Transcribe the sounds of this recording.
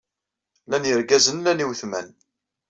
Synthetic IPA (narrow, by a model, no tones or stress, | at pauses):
lænjəɾɡæzənlæniwθmæ̰n